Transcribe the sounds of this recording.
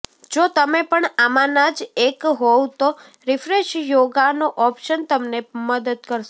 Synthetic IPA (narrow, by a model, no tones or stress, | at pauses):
d͡ʒot̪əmepəɳamanad͡ʒekɦɔwt̪o | ɾɪfɾeʃjoɡanoʔɔpʃənt̪əmneməd̪əd̪kəɾʃ